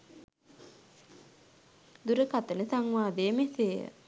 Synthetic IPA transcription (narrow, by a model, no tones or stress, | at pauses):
d̪uɾəkat̪ənət̪aŋʋaːd̪eːmeseːə̰